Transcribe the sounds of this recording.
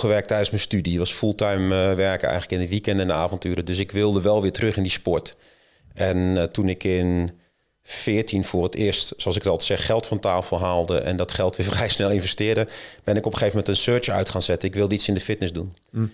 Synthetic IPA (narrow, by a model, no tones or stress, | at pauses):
xəʋɛrk̚tɛjdənsmənstydiʋɑsfulˠtajmʋɛrkəɛ̰jŋkləkɪndəʋikɛndɛndəaːvɔntyːɾədøsɪkʋɪlˠdəʋɛlˠʋɪətrøχɪndispɔɹt | ʔɛntunɪkʰɪn | fɪətinfʊərətɪːəstsoɑlˠsɪkətɔlˠsɛxxɛlˠtfɔntaːlˠfolˠɦaːlˠdə̰ʔɛ̰ndɔtχɛlˠtʋɪfrɛjsnɛlˠɪnvɛstɪədəb̥ɪnɪkɔpxeːvəmɛntənsøːt͡ʃœ̰ɥtχaːnsɛtənɪkʋɪlˠdəisɪndəfɪtnəsdun